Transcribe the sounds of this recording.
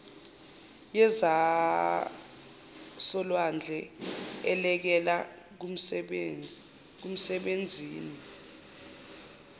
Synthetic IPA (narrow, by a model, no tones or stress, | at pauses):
jɛza | sɔlwand͡ɮʱɛɛlɛk̬ɛla | k̬um̩sɛɓend͡zʱiːni